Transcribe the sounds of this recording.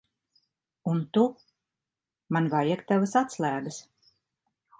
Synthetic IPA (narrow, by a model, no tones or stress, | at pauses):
unt̪u | manvajɛkt̪avasat̪slˠæːɡ̪ɨs